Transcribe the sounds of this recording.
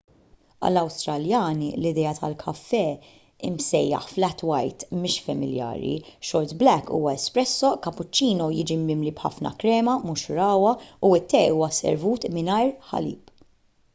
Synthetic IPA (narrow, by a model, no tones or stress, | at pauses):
ɐ̰lːɐwst̪ɾɐljɐːnilɪd̪ɛːɐt̪ɐlkʰɐfːɛ | ɪmsɛjːɐ̰ħflɛt̪wɐjt̪mɪːʃfɐmɪljɐ̰ːɾḭʃɔɾt̪blɛkːṵːwɐɛspɾɛsːɔʔkɐpːʊt͡ʃːiːnɔjɪd͡ʒimːɪmlibħɐ̰fnɐ̰kɾɛːmɐmʊʃʊɾɐːwɐuɪt̪ːɛuːwɐsɛ̰ɾvuːt̪mɪnɐjɾħɐ̰lḭːp